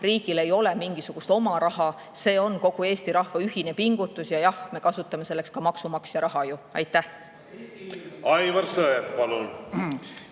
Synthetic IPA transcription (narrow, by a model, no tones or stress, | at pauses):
riːɡ̥ile̞jo̞le̞miŋɡ̥isuɡ̥ust̪o̞mɑɾɑɦɑ | se̞ːo̞nko̞ɡ̥ue̞ːst̪iɾɑhvɑyhine̞piŋɡ̥ut̪ːˑusjɑjɑhme̞kɑsut̪ːˑɑmese̞lːe̞kskɑmɑksumɑksjɑɾɑɦɑjuɑjt̪ːˑæh | ɑjvɑɾsɤeppɑlun